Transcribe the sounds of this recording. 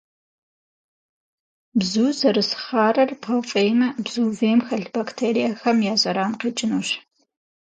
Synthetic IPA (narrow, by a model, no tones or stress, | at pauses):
bzuːzɐɾɨsχaːrɐrpʰɐwfʼeːjmɐbzuːveːmxɐɬbaktʰeːɾijaxɐmjaːɕʼɐɾaːnqiːt͡ʃʼɪnuːɕ